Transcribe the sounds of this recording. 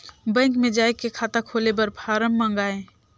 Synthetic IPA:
bɛ̃ːŋkmẽd͡ʒaːekːekʰaːt̪akʰoːlebəɾpʰaːɾəmːə̃ŋɡaːẽː

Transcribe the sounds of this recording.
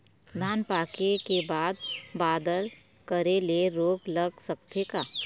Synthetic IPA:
d̪ʱaːnpaːkekebaːd̪̚baːd̪əl | kəɾeleɾoːɡlɐɡsəkt̪ʰekaː

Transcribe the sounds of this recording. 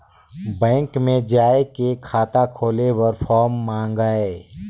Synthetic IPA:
bɛ̃ːŋkmẽd͡ʒaːekekʰaːt̪akʰoːlewəɾfʰɔːɾmːãːŋɡaːe

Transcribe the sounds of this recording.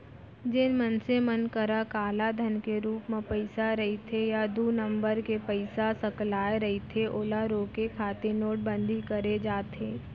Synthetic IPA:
d͡ʒɪnmənsemənkəɾakaːlad̪ʱənkeɾuːpmẽpəɪsaɾɐɦet̪ʰejad̪uːnə̃mbəɾkepəɪsasəklaːeɾɐɦit̪ʰeʔoːlaɾoːkekʰaːt̪enoːʈ̚bə̃nd̪ʱikəɾed͡ʒaːt̪eː

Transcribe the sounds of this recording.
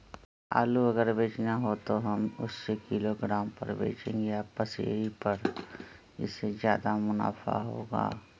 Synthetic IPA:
a̰ːluɐɡəɾbeːt͡ʃnaɦot̪oɦɐmʊsːekɪloɡɾaːmpɐ̰ɾbḛːt͡ʃḛ̃ːŋɡeaːpəsḛːɾipɐɾ | ɪ̰sːezjaːd̪amʊna̰ːfa̰ɦo̰ːɡa̰ː

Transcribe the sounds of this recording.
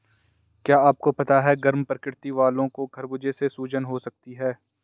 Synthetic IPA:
kjaːaːp̚kopɐt̪aɦɛɡɐɾmpɾkɪɽt̪iʋaːlõkoɡʱɐɾbʊd͡ʒesesuːd͡ʒənɦosɐk̚t̪iɦɛː

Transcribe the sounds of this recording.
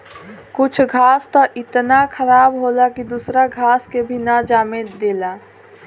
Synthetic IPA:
kʊt͡ʃʰɡʱaːst̪ɔʔɪt̪nakʰəɾaːbɦoːlakid̪usɾaɡʱaːskebʱinad͡ʒaːmed̪eːlaː

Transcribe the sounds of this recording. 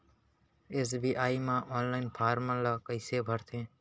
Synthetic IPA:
eːs̬bʱiːʔaːiːmãːʔoːnlaːinpʰaːɾmãːlaːkəɪseːbʱəɾt̪ʰẽː

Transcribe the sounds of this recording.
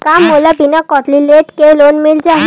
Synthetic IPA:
kamːolabinakɔʈlileʈkelonmild͡ʒaɦi

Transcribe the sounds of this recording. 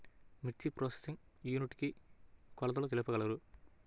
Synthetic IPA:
miʈt͡ʃːipɾoːse̥siŋ | juːniʈːikːikɔlɐt̪̬ɐlɐt̪ɛlɐpːɐɣɐɭɐɾɯ

